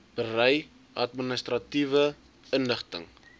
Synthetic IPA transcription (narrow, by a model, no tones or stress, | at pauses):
b̥ərɛj | ʔɐtminəstrɐtivə | ənləχtə̰ŋ